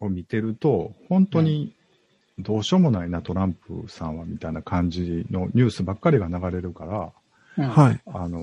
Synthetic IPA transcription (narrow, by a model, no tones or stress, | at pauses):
o̞mʲit̪e̞ɾɯ̟t̪o̞hõ̞nt̪o̞ɲ̟i | d̪o̞ːɕo̞mo̞nainat̪o̞ɾãmpɯ̰sãɰ̃βamʲit̪ainakʰãɲ̟d͡ʑino̞ɲ̟ɨːsɨbakːaɾʲiɡanaɡaɾe̞ɾɯ̟kaɾa | haiano̞